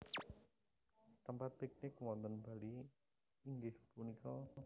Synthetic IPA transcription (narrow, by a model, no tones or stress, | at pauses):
t̪əmpat̪̚pik̚nɪkwɔnt̪ənb̥aliː | ŋɡɪhpunikɔ